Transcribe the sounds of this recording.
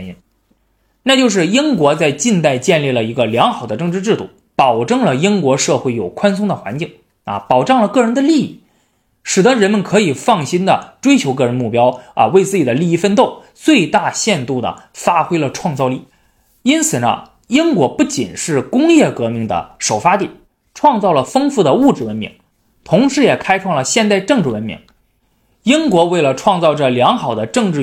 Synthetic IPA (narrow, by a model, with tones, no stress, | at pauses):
i˧˥n | na˥˧t͡ɕjo˥˧ʊʂ̬ɻ̩˥˩i˥ŋkwɔ˧˥t͡sa˥˧ɪt͡ɕi˥˧nt̪a˥˧ɪt͡ɕjɛ˥˧nli˥˩lə˩i˧˥ɡə˧ljɑ˧˥ŋxɑ˨˩ʊd̪ə˦ʈ͡ʂɤ˥˧ŋʈ͡ʂɻ̩˥˧ʈ͡ʂɻ̩˥˧d̪ṵ˥˩ | pɑ˨˩ʊʈ͡ʂɤ˥˩ŋlə˩i˥ŋkwɔ˧˥ʂɤ˥˧xwe˥˩ɪjo˨˩ʊkʰwa˥ns̬ʊ˥ŋd̪ə˨xwa˧˥nt͡ɕi˥˩ŋ | ɐ̰˧˩pɑ˨˩ʊʈ͡ʂɑ˥˩ŋlə˩kɤ˥˩ɻə˧˥nd̪ə˧li˥˧ḭ˥˩ | ʂɻ̩˨˩d̪ə˦˥ɻə˧˥nmə˧nkʰɤ˧˥i˨˩fɑ˥˩ŋɕi˥nd̪ə̰˨ʈ͡ʂwe˥ɪt͡ɕʰjo˧˥ʊk̬ɤ˥˩ɻə˧˥nmu˥˩pjɑ˥ʊɐ̰˧we˥˧ɪt͡sɹ̩˥˩t͡ɕi˨˩d̪ə˦li˥˧i˥˧fə˥˧nt̪o˥˧˩ʊ | t͡swe˥˧ɪt̪a˥˧ɕjɛ˥˧nt̪u˥˩d̪ə̰˩fa˥xwe˥ɪlə˨ʈ͡ʂʰwɑ˥˧ŋt͡sɑ˥˧ʊli˥˩ | i˥nt͡sʰɹ̩˨˩nə̰˦ | i˥ŋkwɔ˧˥pu˥˩t͡ɕḭ˨˩nʂɻ̩˥˩kʊ˥ŋjɛ˥˩kɤ˧˥mi˧˥˩ŋd̪ə̰˩ʂo˨˩ʊfa˥t̪i˥˩ | ʈ͡ʂʰwɑ˥˧ŋt͡sɑ˥˩ʊlə˩fɤ˥ŋfu˥˩d̪ə˩u˥˩ʈ͡ʂɻ̩˥˩wə˧˥nmḭ˧˥ŋ | t̪ʰʊ˧˥ŋʂɻ̩˧˥jɛ˨˩kʰa˥ɪʈ͡ʂʰwɑ˥˩ŋlə˩ɕjɛ˥˧nt̪a˥˧ɪʈ͡ʂɤ˥˧ŋʈ͡ʂɻ̩˥˩wə˧˥nmḭ˧˥ŋ | i˥ŋkwɔ˧˥we˥˩ɪlə˩ʈ͡ʂʰwɑ˥˧ŋt͡sɑ˥˩ʊʈ͡ʂə˩ljɑ˧˥ŋxɑ˨˩ʊd̪ə˦ʈ͡ʂɤ˥˧ŋʈ͡ʂɻ̩˥˩